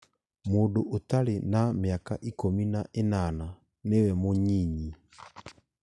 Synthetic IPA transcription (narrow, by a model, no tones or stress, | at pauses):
modoʔotalenameaka̰ʔikominaʔenana | newɛmoɲiɲi